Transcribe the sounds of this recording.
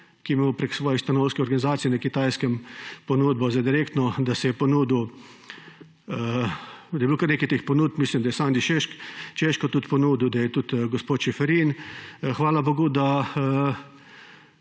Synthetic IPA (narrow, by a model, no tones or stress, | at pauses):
kijɛmewpɾeksʋɔːjɛst̪anowskɛɔɾɡanizaːt̪sijɛnakit̪aːjskɛmpɔnuːd̪̚bɔzad̪iɾekt̪nɔd̪asɛjɛpɔnuːd̪ | d̪ajɛbukaɾneːkɛjt̪eːxpɔnuːt̪̚pmislimd̪ajɛsaːnd̪iʃeʃkt͡ʃeʃkɔt̪ut̪pɔnuːd̪iwd̪ajɛt̪ut̪ɡɔspoːt̪ʃɛfɛɾinxʋaːlaboːɡud̪aə